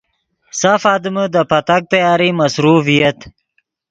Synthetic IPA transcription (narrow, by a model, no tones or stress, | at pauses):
safɑːd̪ɪməd̪əpat̪ak̚t̪ajɑːɾimasɾufijat̪